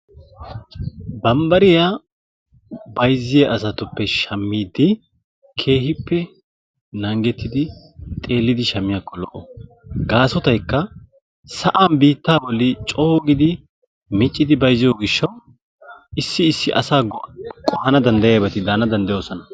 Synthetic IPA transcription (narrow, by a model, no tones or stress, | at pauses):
bɐmbɐɾɪja | bɐjzːɪjɛʔɐsɐt̪ʊpːɛʃɐmːiːd̪ɪ | kʰe̞ːɦɪpːɛ | nɐŋɡɛt̪ːɪd̪ɪ | t̪ʼe̞ːlːɪd̪ɪʃɐmːɪjakːɔlɔʔːɔ | ɡaːsɔt̪ɐjkːɐ | sɐʔaːnbiːt̪ːaːbɔlːɪt͡ʃʼoːɡɪd̪ɪ | mɪt͡ʃʼːɪd̪ɪbɐjzːɪjoːɡɪʃːɐw | ɪsːɪɪsːɪʔɐ̰saːkʼɔhɐnɐd̪ɐnd̪ɐjabɐt̪ɪd̪aːnɐd̪ɐnd̪ɐjo̞ːsɔnɐ